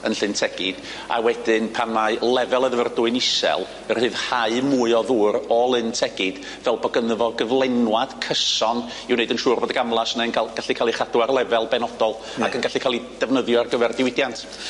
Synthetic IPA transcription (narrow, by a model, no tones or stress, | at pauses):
ənɬɨntʰɛɡ̥ɨd̥ | a̰wɛdɪnpʰanmalˠɛvɛlˠəðvərdʊɨnɪsɛ̰lˠ | ərhɨːðhaɨmuɨɔðuːɾɔːlˠɨntʰɛɡ̥ɨd̥ | vɛlˠbɔɡənəvɔɡəvlˠɛnwad̥kʰəsɔn | iwneɨdənʃuːrboːdəɡamlˠasnɛənkʰalˠɡ̥aɬikʰaːlˠiχaduarlˠɛvɛlˠbɛnɔdɔlˠ | a̰kənɡaɬikʰaːlˠid̥ɛvnəðjɔarɡəvɛrdɪwɪdjantʰ